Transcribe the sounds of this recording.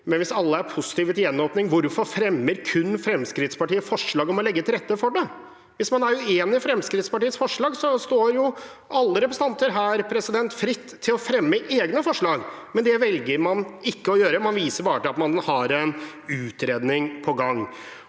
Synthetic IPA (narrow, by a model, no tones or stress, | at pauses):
mɛnʋɪsɑlːəæɾpʰʊsɪ̥t̪iːʋɛt̪jɛnːoːpnɪŋʋʊɾfɔɾfɾɛmːəɾkʰʉnːfɾɛmskɾɪt̪spɑʈiːəfɔʂɭɑːɡɔmɔlɛɡːət̪ʰɪlɾɛt̪ːəfɔɖɛ | ʋɪsmɑnæɾjʊeːnɪfɾɛmskɾɪt̪spɑʈiːət̪sfɔʂɭɑːɡsɔst̪oːɾjʊ | ʔɑlːəɾɛpɾɛst̪ɑnt̪əɾɦæːɾpʰɾɛsɪd̪ɛnt̪fɾɪt̪ʰːɪlɔfɾɛmːəʔeːɡnəfɔʂɭɑːɡmɛnd̪ɛʋɛlɡəɾmɑnɪkːəɔjøːɾəmɑnʋiːsəɾbɑːɾət̪ɪlɑt̪mɑnhɑɾɛnʉːt̪ɾeːd̪nɪŋpʰɔɡɑŋː